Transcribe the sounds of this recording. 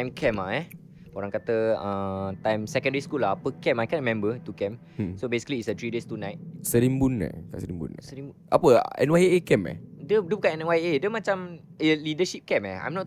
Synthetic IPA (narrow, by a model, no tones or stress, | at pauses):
t̪ajmkʰɛmaɛ | oɾãŋkat̪əə̃t̪ãjmsɛkə̃ndəiskulaapəkɛmajkɛ̃nɹimɛ̃mbət̪ukɛ̃m | sobesi̥kəliːsət̪ɾidest̪unãjt̚səɾimbuna̰kasəɾimbṵn̰səɾimbuʔa̰pəɛ̰nwajekɛmɛ̰dədəbukaɛnwajedəmãt͡ʃam | əlidəʃip̚kɛmɛha̰jmnɔt